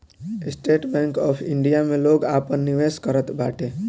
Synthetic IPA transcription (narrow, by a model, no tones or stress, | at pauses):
ɪsʈeːʈbɛ̃ːŋkɔːpʰɪ̃ɳɖijamẽloːɡaːpənːɪʋeːskəɾət̪baːʈʰeː